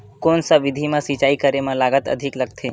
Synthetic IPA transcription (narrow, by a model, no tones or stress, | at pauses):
koːnsaʋɪd̪ʱimãsit͡ʃaːikəɾemãlaːɡət̪ə̰d̪ʱɪkləɡt̪ʰe